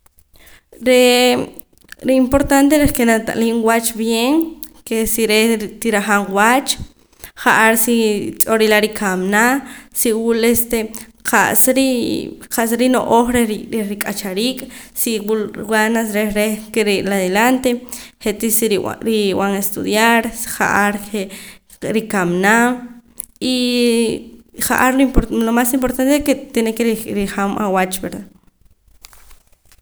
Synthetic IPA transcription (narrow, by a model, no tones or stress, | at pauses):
ɾe | ɾeimpoɾt̪ant̪eɾekenat̪a̰ʔʼliŋwat͡ʃbjeŋkesiɾet̪iɾaχaŋwat͡ʃ | χaʔaɾsit͡sʼoɾilaɾikʰamnasiwulest̪eqʰa̰ʔsɾiqaʔsɾino̰ʔoχɾeɾiɾeɾikʼat͡ʃaɾiːkʼsiwulwanasɾeɾekeɾeʔlaðelant̪eχeʔt̪isiɾḭɾiw̰aŋest̪uðjaɾχa̰ʔaɾe | ɾikamnam | i | χaʔaɾloimplomasimpoɾt̪ant̪eeket̪enekeɾiɾiχamʔa̰wat͡ʃbeɾða